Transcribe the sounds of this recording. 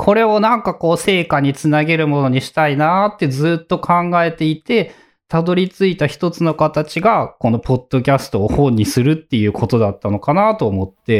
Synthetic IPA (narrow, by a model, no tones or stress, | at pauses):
kʰo̞ɾe̞o̞nãŋkako̞ːse̞ːkaɲ̟it͡sɨnaɡe̞ɾɯ̟mo̞no̞ɲ̟iɕi̥t̪ainat̪ːe̞zɨːt̪ːo̞kʰãŋɡae̞t̪e̞it̪e̞ | t̪ad̪o̞ɾʲit͡sɨit̪açi̥t̪o̞t͡sɨno̞kat̪at͡ɕiɡako̞no̞po̞d̪̥ːo̞k̬ʲasɨ̥t̪o̞ːhõ̞ɲ̟ːisɨɾɯ̟t̪ːe̞jɯ̟ːko̞t̪o̞d̪at̪ːano̞kanat̪o̞ːmo̞t̪ːe̞